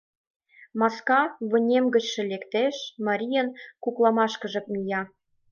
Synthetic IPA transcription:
mɑskɑβə̆nʲemɡə̆t͡ɕʃĕlekt̪eʃmɑɾʲijənkuklˠɑmɑʃkɤ̆ʒɤ̆k̚mʲijɑ

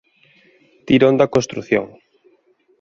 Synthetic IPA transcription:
t̪iɾond̪ɐkõnst̪ɾuθjo̰ŋ

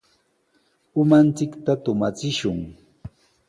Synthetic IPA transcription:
ʊmant͡sɪkt̪at̪ʊmat͡sɪʃʊŋ

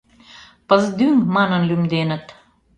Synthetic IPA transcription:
pəzd̪yŋmɑnənlymd̪enə̆t̪

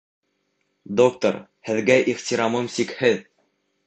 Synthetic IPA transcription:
d̪ok̚t̪o̰ɾ | hɘ̆ðɡæʔiʁt̪ʲiɾɑmɤmsikhɘð

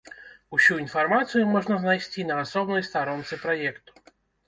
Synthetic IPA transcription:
usʲuinfarmat̪sɨjumɔʐnɐznajsʲtʲinɐːsɔbnɔjst̪aɾɔnt̪sɨpɾɐjɛkt̪ʊ̥

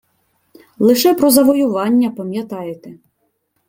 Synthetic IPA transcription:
lˠɪʃɛpɾɔzɐʋɔjʊʋɑnʲːɐpɐmʲjɐt̪ɑjet̪ɛ

